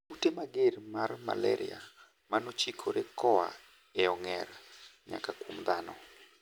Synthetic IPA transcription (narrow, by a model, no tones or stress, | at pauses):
utemaɡermarma̰lɛ̰ɾɪa̰ | manot͡ʃikʰoɾekɔa̰ | eɔŋɛrɲa̰kakomd̪anɔ̰